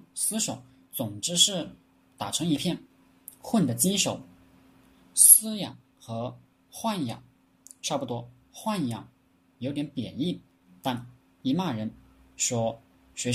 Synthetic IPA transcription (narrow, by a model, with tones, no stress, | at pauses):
sɹ̩˥ʂo˧˩˦ʊ | t͡sʊ˨˩ŋʈ͡ʂɻ̩˥ʂɻ̩˥˩ | t̪a˨˩ʈ͡ʂʰɤ˧˥ŋi˧˥pʰjɛ˥˧n | xwə˥˩nd̪ə˩t͡ɕi˥nʂo˨˩˦ʊ | sɹ̩˥jɑ̰˨˩˦ŋ | xɤ˧˥ | xwa˥˩njɑ̰˨˩˦ŋ | ʈ͡ʂʰa˥˧˩pu˥˩t̪wɔ˥ | xwa˥˩njɑ̰˨˩˦ŋ | jo˧˥t̪jɛ˧˥npjɛ̰˨˩ni˥˩n | t̪a˥˩n | i˧˥ma˥˩ɻə˧˥nʂwɔ˥ | ɕɥɛ˧˥